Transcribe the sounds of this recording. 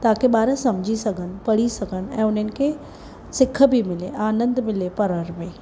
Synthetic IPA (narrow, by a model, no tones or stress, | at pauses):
t̪aːkʰeɓaːɾəsɐmd͡ʑʱisɐɡʱən̆pɐɽ̤isɐɡʱən̆ɛ̃ːʊnənɪ̆kʰe | sɪkʰə̆bʱimɪleʔaːnə̃nd̪mɪlepɐɾəɾbeː